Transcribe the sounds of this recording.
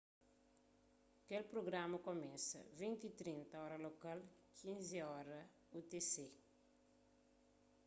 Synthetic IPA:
kelpɾoɡɾamɐkomɛ̃sɐ̰vĩnt̪it̪ɾĩnt̪ɐɔɾɐlokalkʰĩnziɔɾɐ | ut̪ese

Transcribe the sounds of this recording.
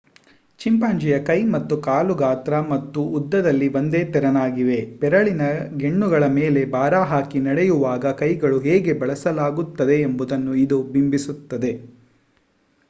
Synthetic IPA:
t͡ʃimpaːɲd͡ʒijɐkɐjmɐt̪ːukaːluɡaːt̪ɾɐmɐt̪ːuːd̪ːɐd̪ɐlːiʋo̞nd̪eːt̪ɛɾɐnaːɡiʋe̞pɛɾɐɭinɐɡeɳːuɡɐɭɐmeːle̞baːɾaːɦaːkinɐɽɛjuʋaːɡɐkɐjɡɐɭuɦɛːɡe̞bɐɭɐsɐlaːɡut̪ːɐd̪e̞ːmbud̪ɐnːuid̪ubimbisut̪ːɐd̪e̞

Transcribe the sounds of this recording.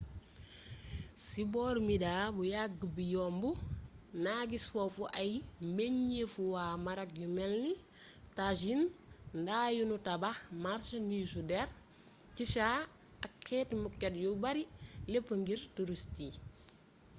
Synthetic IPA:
sibɔːɾmidabujaɡbijɔmbunaɡisfofuʔajmeɲːefuwaːmaɾak̚jumɛlni | taʃinndaːjunutabaxmaɾsnisudɛɾ | ciʃaː | akʰːɛtmukːɛtjubaɾilepːəŋɡiɾtuɾusti

